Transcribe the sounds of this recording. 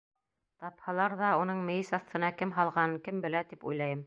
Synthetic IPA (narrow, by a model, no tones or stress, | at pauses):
t̪ɑphɑlˠɑɾðɑunɤɴmɘ̆jɘsɑθt̪ʰɤ̆nɑkɘmɦɑlˠʁɑnɤkɘmbɘ̆læt̪ipṵjlˠɑjɤm